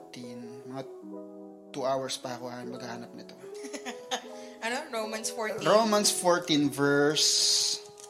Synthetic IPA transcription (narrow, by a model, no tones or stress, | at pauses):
t̪inmɐŋa | t̪uʔawɐɹspɐɐkoanmɐɡhahaːnɐp̚nɪt̪o | ʔɐnoɹowmɐnsfoɹɾomɐnsfoɹt̪invɛɹs